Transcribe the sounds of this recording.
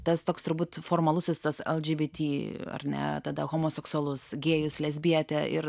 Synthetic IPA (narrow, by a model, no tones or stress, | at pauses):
t̪ɐst̪oːkst̪ʊɾbuːt̪foːɾmɐlˠʊsʲɪst̪ɐsɛ̰lˠd͡ʒʲiːbʲit̪ʲiːɐ̰ɾnʲɛ̰t̪ɐd̪ɐɣoːmoːsʲɛksʊɐlˠʊsɡʲeːjʊslʲɛzʲbʲiɛt̪ʲɛʔɪ̰ɾ